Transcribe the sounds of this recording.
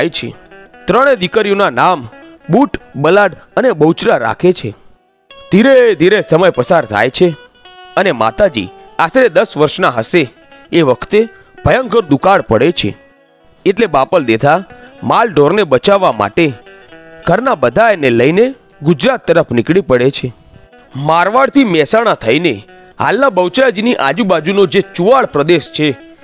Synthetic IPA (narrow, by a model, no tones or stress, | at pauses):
jt͡ʃʰḛt̪ɾəɽ̃ed̪ikəɾijõnanam | buʈbəlaɽənebəut͡ʃɾaɾa̰kʰet͡ʃʰe | d̪ʱiɾed̪ʱiɾesəməjpəsaɾt̪ʰa̰jt͡ʃʰe | ənema̰t̪ad͡ʒḭ | asɾed̪əsʋəɾʃnaɦəʃeː | ʋəkʰt̪e | b̥ʱəjə̃ŋkəɾd̪ukaɽpəɽet͡ʃʰḛ | eʈlebapəld̪et̪ʰamalɖoɾnebət͡ʃaʋːama̰ʈe | ɡʱəɾnabəd̪ʱajneləjne | ɡʊd͡ʒɾat̪ːəɾəpnɪkɭipəɽet͡ʃʰe | maɾʋaɽt̪ʰimɛsaɽ̃at̪ʰəine | ha̰lnabəwt͡ʃad͡ʒiniʔa̰d͡ʒubad͡ʒunod͡ʒet͡ʃuʋaɭpɾəd̪eʃt͡ʃʰe